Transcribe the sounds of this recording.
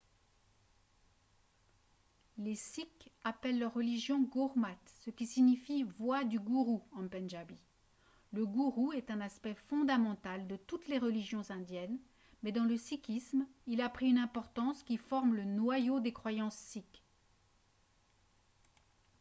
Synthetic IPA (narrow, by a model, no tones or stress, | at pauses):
lesikapɛlːœʁːəliʒjɔ̃ɡuʁmat̪səkʲisiɲifivwad̪yɡuʁuɑ̃pɛ̃nʒabi | ləɡuʁuɛt̪ɛ̃naspɛfɔ̃d̪amɑ̃t̪ald̪ət̪ut̪leʁəliʒjɔ̃zɛ̃d̪jɛn | mɛd̪ɑ̃ləsikʲismilapχiynɛ̃pɔʁt̪ɑ̃skʲifɔʁmlənwajod̪ekχwajɑ̃sːik